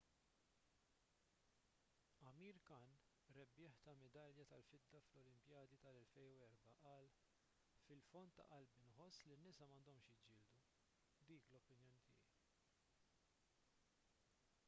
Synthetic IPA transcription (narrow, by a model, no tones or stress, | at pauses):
ɐmiːɾkɐn | ɾɛbːɪːħt̪ɐmɛd̪ɐljɐt̪ɐlfɪd̪ːɐflɔlɪmpjɐːd̪it̪ɐlɛlfɛjnuɛɾbɐʔɐːl | fɪlfɔnt̪ːɐ̰ʔɐlbɪnħɔsːlinːɪsɐmɐːnd̪ɔmʃjɪd͡ʒɪːld̪u | d̪iːklɔpːɪnjɔːnit̪ʰɪjɛj